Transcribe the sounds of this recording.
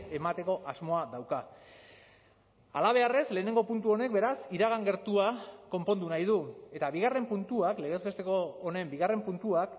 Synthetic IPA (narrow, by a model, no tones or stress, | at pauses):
e̞mat̪e̞ko̞ʔazmo̞aðawka | a̰laβ̞e̞arezle̞ːne̞ŋɡo̞punt̪uo̞ne̞k̚be̞ɾasiɾaɣ̞aŋɡe̞ɾt̪uako̞mpo̞nd̪unajðue̞t̪aβiɣ̞are̞mpunt̪uakle̞ɣ̞ezβet̪e̞ko̞ːne̞mbiɣ̞are̞mpunt̪uak